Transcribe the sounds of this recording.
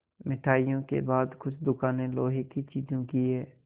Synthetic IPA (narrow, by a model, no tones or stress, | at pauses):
mɪʈʰaːijõkḛbaːd̪kʊt͡ʃʰd̪ʊkaːnẽloːɦekit͡ʃiːd͡ʒõkiɦɛː